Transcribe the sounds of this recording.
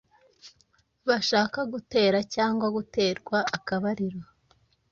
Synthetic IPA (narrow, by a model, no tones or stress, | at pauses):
βaʃaːkaɡute̞ːɾacaːŋɡwaɡute̞ːɾɡwaːkaβaɾiɾo